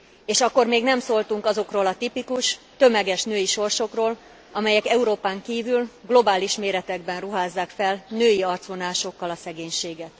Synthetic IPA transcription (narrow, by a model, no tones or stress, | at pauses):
eːʃɒkːo̞rmeːɡnɛmsoːlt̪uŋkɒzo̞kroːlɒt̪ipikuʃt̪ø̞mɛɡɛʃnøːjiʃo̞rʃo̞kroːl | ɒmɛjɛkɛuɾoːpaːŋkiːvylɡlo̞baːliʃmeːɾɛt̪ɛɡ̚bɛnruɦaːzːaːkfɛlnøːjiɒrt̪sʋo̞naːʃo̞kːɒlɒsɛɡeːɲʃeːɡɛt̪